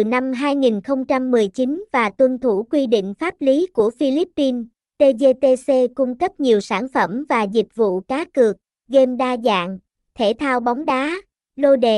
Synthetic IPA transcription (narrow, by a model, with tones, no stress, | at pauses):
t̪ɨ˨˩na˧mɦaː˧jŋi˨˩nxə˧wŋ͡mt͡ɕa˧mːɨ˨˩əjt͡ɕi˨˦nvaː˨˩t̪wə˧nt̪ʰu˧˩kwi˧ɗḭ̈˧˨ŋ̟faː˦˥p̚li˨˦ku˧˩əfi˧li˦˥pːi˧n | t̪e˧ze˧t̪e˧se˧ku˧ŋ͡mkə˦˥p̚ɲi˨˩əwsaː˧˩nfə˧˩mvaː˨˩zi˨˩k̚vṵ˧˨kaː˨˦kɨ˨˩ək̚ | ɣe˧mɗaː˧za̰ː˧˨ŋ | t̪ʰe˧˩t̪ʰaː˧wɓɔ˨˦wŋ͡mɗaː˨˦ | lo˧ɗḛ˧˨